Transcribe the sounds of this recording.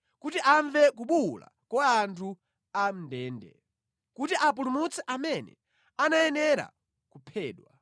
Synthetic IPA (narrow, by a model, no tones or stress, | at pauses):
kutiʔaɱvɛkuɓula̰kɔantʰu | am̩ndɛːndɛ̰ | kutiʔap̬ulumut͡sʰɛʔamɛnɛ̰ | anaɛnɛɾa̰ | kupʰɛːɗwa